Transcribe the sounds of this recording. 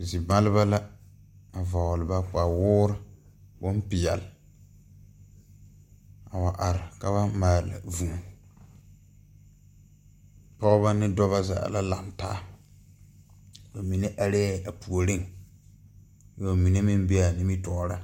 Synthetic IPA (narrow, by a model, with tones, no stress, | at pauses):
zi˨ba˦lɪ˦βa˦la˦ | a˨vɔ˨ɣlɨ˨ba˦k͡pa˨wʊː˦ɾɪ˦ | bʊ˦n˦pɪ˨ja˨lɪ˨ | a˨wa˨ʔa˨ɾɪ˨ka˦βa˦maː˨la̰˨vu˨ | pɔ˦ʔba˦nɪ˦dɔ˦βa˦za̰˨a̰˨la˦la˨mtaː˦ | ba˨mi˨ne˦ʔa˨ɾe˦a˨pu˨o˨ɾɪ˦ŋ | jo˨mi˨ne˦mi˦m˦be˦a˨nɪ˦mi˦tɔ˨ʔɾa˦